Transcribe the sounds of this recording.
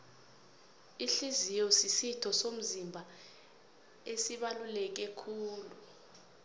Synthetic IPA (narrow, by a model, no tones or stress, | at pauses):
iɬizijɔsisitʰɔsom̩zimbʱa | esiɓalulɛk̬ɛkʰuːlu